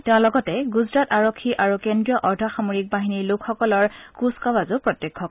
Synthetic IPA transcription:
tɛʊ̃lɔɡɔtɛɡuzɹataɹokʰːiʔaɹukendɹijɔʔɔɹdʱaxamoɹik̚baɦiniɹlʊkʰxɔkɔlɔɹkuskɔbazʊpɹɔtːjekʰːɔk̚

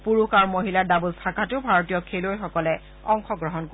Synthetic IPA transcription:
puɹuxaɹmoɦilaɹdabulsakʰatʊbʱaɹotijɔkʰelojxɔkɔlɛ | ɔŋxɔɡɹɔɦɔnko

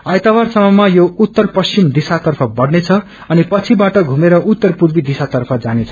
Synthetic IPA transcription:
ʌjt̪awarsʌmʌmajout̪ːʌrpʌst͡simd̪isat̪ʌrpʰʌbʌɽnet͡sʰʌ | ʌnipʌt͡sʰibaʈʌɡʱumeɾʌʔut̪ːʌrpuɾbid̪isat̪ʌrpʰʌd͡zanet͡sʰʌ̥

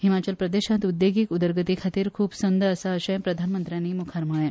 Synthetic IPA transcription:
himat͡ɕəlpɾəd̪eɕãt̪ud̪jeɡiːkud̪əɾɡət̪ikʰat̪iːɾkʰuːbsənd̪əːsaəɕẽpɾəd̪ʱanmənt̪ɾjaniːmukʰaɾmaɭe

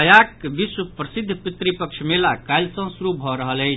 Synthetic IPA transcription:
əjakbiswəpɾəsid̪ʱːpit̪ɾipəkt͡ʃʰmelakajlsə̃suɾubʱɔɾəɦələj

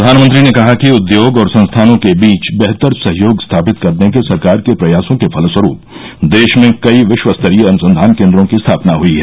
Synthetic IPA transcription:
d̪ʱaːnmə̃nt̪ɾinekɐɦakiʊd̪joːɡɔːɾsɐ̃nst̪ʰaːnõkebiːt͡ʃbɛɦt̪əɾsɐɦjoːɡst̪ʰaːpɪt̪kɐɾnekesɐɾkaːɾkepɾɐjaːsõkepʰɐlswəɾuːp | d̪eːʃmẽkɐiʋɪʃwəst̪ʰəɾijəɐnʊsə̃nd̪ʱaːnkẽːnd̪ɾõkist̪ʰaːpnaɦuiɦɛ

